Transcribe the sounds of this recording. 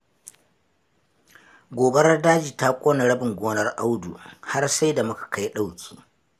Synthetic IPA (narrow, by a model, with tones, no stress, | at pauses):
ɡʷoː˨bɐ˦ɾɐ˦daː˦d͡ʒiː˨ta˦kʷʼoː˦na˨ɽɐ˦bɪ˨ŋɡʷoː˦nɐ˦rʔa˦wdṵ˨ha˦rsa˦jda˨mʊ˦kḁ˨ka˦jɗa˦˨wkʲʰi̥ː˨